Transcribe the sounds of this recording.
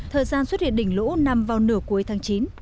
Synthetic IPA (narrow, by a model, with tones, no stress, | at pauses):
t̪ʰəː˨˩jzaː˧nswə˦˥t̚hḭ˧˨əɗï˧˩ŋ̟lṵ˧˥na˧mvaː˨˩wnɨ˧˩əku˨˦əjt̪ʰaː˨˦ŋt͡ɕi˨˦n